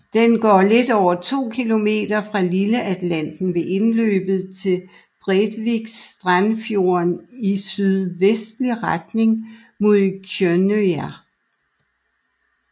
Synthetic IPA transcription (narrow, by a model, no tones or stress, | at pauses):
d̥enɡ̥ɒ̰ːle̝d̥ɒʊ̰ɐt͡sʰo̝̰ːkʰilo̝me̝̰ːd̥ɐfʁɑ̈liləʔæd̥læn̰d̥n̩ʋe̝ʔe̝nlø̰ːb̥ð̞̩ˠt͡sʰe̝l | b̥ʁed̥ʋiɡ̥sd̥ʁanfjo̝ɐnisyðˠʋesd̥liʁad̥ne̝ŋ | mo̝ðˠkʰjønøæ